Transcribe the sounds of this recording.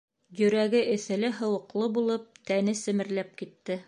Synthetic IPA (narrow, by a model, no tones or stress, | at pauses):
jɵ̆ɾæɡɘʔɘ̆θɘ̆lɘɦɤ̆wɤ̆qlˠɤbulˠɤp̚t̪ænɘsɘ̆mɘ̆ɾlæp̚kit̪ːɘ